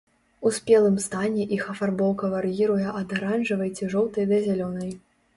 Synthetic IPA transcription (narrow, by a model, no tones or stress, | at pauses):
usʲpʲɛlˠɨmst̪anʲɛʔixɐfarbɔwkɐvarjiɾujɛʔɐd̪aɾanʐɨvɐjt͡sʲiʐɔwt̪ɐjd̪ɐzʲalʲɔnɐj